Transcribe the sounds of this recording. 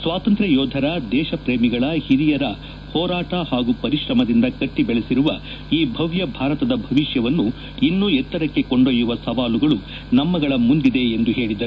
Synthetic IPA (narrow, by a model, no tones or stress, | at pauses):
sʋaːt̪ɐnt̪ɾɐjɔːd̪ʱɐɾɐd̪ɛːʃɐpɾeːmiɡɐɭɐhiɾijɐɾɐ | hɔːɾaːʈɐhaːɡupɐɾiʃɾɐmɐd̪ind̪ɐkɐʈːibɛɭesiɾuʋɐ | iːbʱɐʋjɐbʱaːɾɐt̪ɐd̪ɐbʱɐʋiʂjɐʋɐnːu | inːuɛt̪ːɐɾɐkːe̞ko̞ɳɖojuʋɐsɐʋaːluɡɐɭu | nɐmːɐɡɐɭɐmund̪id̪e̞end̪uɦe̞ːɭid̪ɐɾu